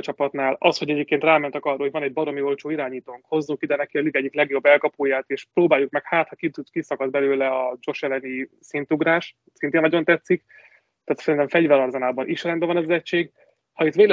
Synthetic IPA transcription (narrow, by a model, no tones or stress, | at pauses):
t͡ʃɒpɒt̪naːlɒsho̞ɟɛɟeːp̚keːnt̪raːmɛnt̪ɛkɒrːɑːhoɟvɒnɛɟ̚bɒɾo̞mio̞lt͡ʃoːiɾaːɲiːt̪oːŋkho̞zːuŋkid̪ɛnɛkiɒliɡɛɟiklɛɡjo̞bːɛlkɒpoːjaːt̪eːʃproːbaːjukmɛkhaːt̪hɒkit̪ukisɒkɒzbɛløːlɛɒd͡ʒo̞ʃɛlɛni | sint̪uɡɾaːʃ | sint̪eːnːɒɟo̞nt̪ɛt̪sːik | t̪aːt̪sɛɾint̪ɛɱfɛɟvɛɾɒrzɒnaːbɒnʔiʃɛɾɛnbɛvɒnɛzɛct͡ʃʃeːɡ | hɒit̪ʋeːl